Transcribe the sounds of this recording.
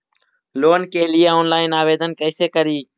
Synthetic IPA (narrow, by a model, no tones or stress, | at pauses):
loːnkeːlɪjeːoːnlaːɪnaːʋeːd̪ənkəːseːkəɾiː